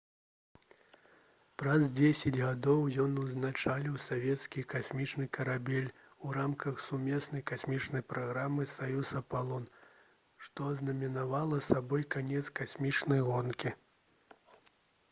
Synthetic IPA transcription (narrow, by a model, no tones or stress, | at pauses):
pɾɐzd͡zʲesʲɐd͡zʲɣad̪ɔwjɔnuznat͡ʂalʲiwsavʲɛt̪skʲikasʲmʲit͡ʂnɨkɐɾabʲɛlʲ | uɾamkɐxsumʲɛsnɐjkasʲmʲit͡ʂnɐjpɾaɣɾamːɨsajusɐpalˠɔn | ʂt̪ɔznɐmʲinavalˠɐsabɔjkanʲɛt̪skasʲmʲit͡ʂnɐjɣɔnkʲi